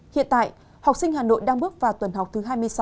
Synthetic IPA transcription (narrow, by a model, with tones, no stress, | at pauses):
hḭ˧˨ənt̪a̰ː˧˨j | ha˨˩wk͡p̚sï˧ŋ̟haː˨˩no̰˧˨jɗaː˧ŋɓɨ˦˥ək̚vaː˨˩wt̪wə˨˩nɦa˨˩wk͡p̚t̪ʰɨ˨˦ɦaː˧jmɨ˧əjsa˨˦w